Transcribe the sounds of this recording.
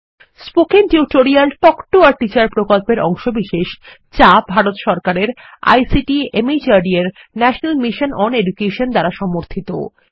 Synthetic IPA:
spokinʈiʈoɾialʈɔkʈoaɾʈit͡ɕaɾpɾokolpeɾɔ̰ŋʃobiʃeʃ | t͡ɕabʱaɾot̪ʃɔɾkaɾeɾ | a̰jsiʈiemit͡ɕaɖieɾ | nɛʃonalmiʃonʔɔneɖukeʃond̪aɾaʃɔmoɾt̪ʰit̪o̰

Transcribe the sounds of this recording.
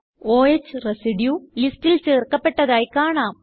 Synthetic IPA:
oːet͡ɕːɨresiɖjuːlistilt͡ɕeːrkɐpːe̞ʈːɐðaːjkaːɳaːm

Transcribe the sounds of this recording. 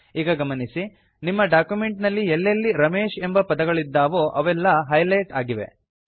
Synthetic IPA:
iːɡɐɡɐmɐnisi | nimːɐɖaːkjume̞ɳʈnɐlːielːelːiɾɐmeːʃe̞mbɐpɐd̪ɐɡɐɭid̪ːaːʋoːʔɐʋɛlːɐɦɐjlɐjʈaːɡiʋe̞̰

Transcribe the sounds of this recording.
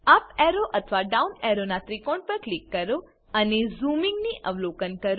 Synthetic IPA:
ɐpɛɾoʔɐt̪ʰʋaɖawneɾonat̪ɾikoɳɖ̚pəɾklikːəɾu | ɐnezuːmiŋɡniʔʔəʋloːkənkɐɾ

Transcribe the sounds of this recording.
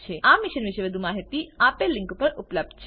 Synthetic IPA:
t͡ʃʰeamiʃənʋiʃeʋəd̪ʱumaɦit̪iapelĩŋkupəɾupləb̚d̪̚t͡ʃʰ

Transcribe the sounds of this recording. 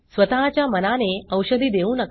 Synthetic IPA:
sʋət̪aɦat͡ɕjamənaneəwɕəd̪ʱiːd̪eũːnək

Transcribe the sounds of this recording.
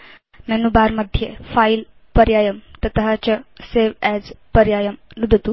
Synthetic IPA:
mɛnubaɾməd̪ʱːjefail | pəɾjajəmt̪ət̪ɦat͡ɕəseʋɛd͡zpəɾjajəmnud̪ʱət̪u

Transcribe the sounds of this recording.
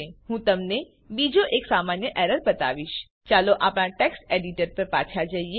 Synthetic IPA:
eɦũːt̪ɐmne | biːd͡ʒoʔeːksaːmaːnjəʔɛɾəɾbɐt̪a̰ːʋiʃ | t͡ʃaːloʔaːpñaʈɛːksʈeːɖiʈəɾpəɾpaːt͡ʃʰad͡ʒaːie

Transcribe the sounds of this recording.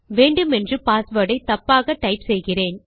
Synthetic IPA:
ʋeːɳɖɯmɛndrɯpaːsʋəːɽɐɪt̪ɐpːaːɣɐʈːɐɪpsɛjɣɪreːn

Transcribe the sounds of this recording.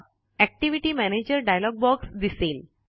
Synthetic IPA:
ɛk̚ʈiʋiʈimæned͡ʑəɾɖajlɔɡ̚bɔksd̪isel

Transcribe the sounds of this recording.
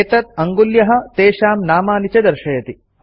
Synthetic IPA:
t̪ɐt̪̚ɐŋɡuljɐɦɐ̆t̪eːʃaːmnaːmaːnit͡ʃɐd̪ɐɾʃɐjɐt̪i

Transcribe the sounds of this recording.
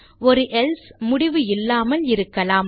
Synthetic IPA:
ɔɾɯʔɛlsmʊɽɪʋɯɪlːaːmɐlɪɾɯkːɐlaːm

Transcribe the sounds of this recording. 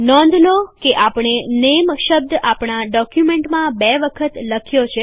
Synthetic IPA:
nɔ̃nd̪ʱnokeʔapɳ̃enemʃəb̚d̪apɳ̃aɖɔkjumeɳʈmãbɛʋəkʰət̪ləkʰjot͡ʃʰe

